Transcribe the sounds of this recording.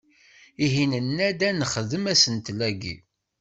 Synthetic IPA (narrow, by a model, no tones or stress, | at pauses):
iɦinənːæd̪ænəχəðəmæsənt̪læɡḭ